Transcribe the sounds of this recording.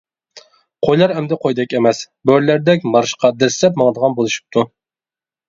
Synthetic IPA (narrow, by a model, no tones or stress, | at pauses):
qʰojlˠɑɾɛmd̪ɛqʰojd̪ɛkʲemɛs | bøɾlæɾd̪ɛkʲmɑɾɨʃqʰɑd̪ɛɾslɛp̚mɑŋd̪əʁɑnbolˠuʃu̥p̚t̪ʰu